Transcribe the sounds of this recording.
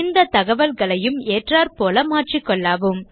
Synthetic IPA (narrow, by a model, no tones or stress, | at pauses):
ɪnd̪ɐt̪ɐɣɐʋɐlɣɐɭɐjɯmeːʈraːɾpoːlɐmaːʈrikːɔɭːaːʋɯm